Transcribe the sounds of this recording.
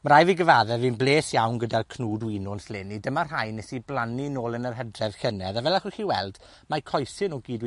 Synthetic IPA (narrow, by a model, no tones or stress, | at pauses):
məɾajviɡəvaːðɛvinblˠeːsjawnɡədarkʰnuːdwinʊnslenidəmarajnɛsiblˠaninoːlˠənərɦɛdrɛv̥ɬənɛðavɛlˠaχuχiːwɛ̰lˠd̥ | makʰɔjsɨnɔɡiːdwi